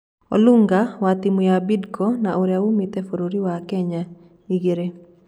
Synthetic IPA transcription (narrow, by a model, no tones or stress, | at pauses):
o̰luŋɡawat̪imʊjabidkɔnaʔoɾjaumit̪ɛfoɾoɾiwakɛɲa | iɡeɾe